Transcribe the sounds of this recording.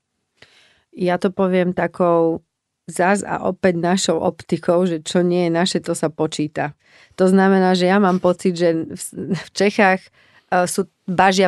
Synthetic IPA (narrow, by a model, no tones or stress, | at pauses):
jat̪ɔpɔʋɪɛmt̪akʰɔʊ | zaza̰ʔɔpɛɟnaʃɔʊʔɔ̰pt̪ikɔʊʒɛt͡ʃɔɲɪɛjɛnaʃɛt̪ɔsapɔt͡ʃiːt̪a | t̪ɔznamɛnaːʒɛjamaːmpɔt͡sid̪ʒɛfft͡ʃɛxaːx | suː | baʒɪa